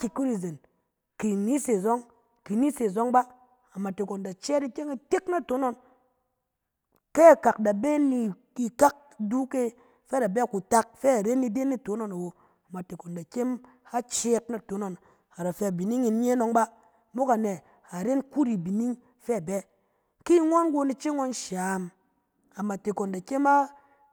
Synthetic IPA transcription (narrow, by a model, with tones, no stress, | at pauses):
ki˨ku˦ɾi˨ze˨n | ki˨ni˦se˨zo˦ŋ | ki˨ni˦se˨zo˦ŋba˦ | a˨ma˨te˨ko˨nda˨t͡ʃe˦ti˦kʲe˦ŋa˦˧te˦kna˦to˨˦no˦n | ke˦a˨ka˨k̚da˨be˦ni˧ | i˧ka˦k̚du˦ke˦ | fɛ˦da˨be˦a˨ku˨ta˧k̚fɛ˦a˨ɾe˦ni˧de˦ni˦to˨˦no˦na˨wo˨ | a˨ma˨te˨ko˨nda˨kʲe˦m | a˦t͡ʃe˦t̚na˨to˨˦no˨n | a˨ɾa˨fe˧a˨bi˨ni˦ŋi˧n˦ɲe˦no˧ŋba˦ | mo˦ka˨ne˨ | a˨ɾe˦nku˦ɾi˨bi˨ni˦ŋ | fɛ˦a˨bɛ˦ | ki˦ŋʷa˦nɡo˧ni˧t͡ʃi˦ŋʷa˦nʃa˨m | a˨ma˨te˨ko˨nda˨ke˦ma˦